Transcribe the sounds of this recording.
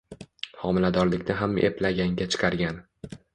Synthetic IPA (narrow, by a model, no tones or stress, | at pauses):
hɒmɪlad̪ɒɾlɪkʲnɪɦamʔḛplaɡʲaŋɡʲat͡ʃʰɨ̥qʰɑɾɡʲan